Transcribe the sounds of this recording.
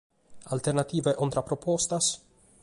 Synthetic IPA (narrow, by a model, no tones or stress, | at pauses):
alt̪eɾnat̪iveʔont̪ɾapɾopost̪as